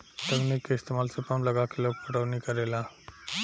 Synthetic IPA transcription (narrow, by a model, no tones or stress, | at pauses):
t̪əɡnikist̪emalsepamləɡakilok̚pəʈəʋnikəɾela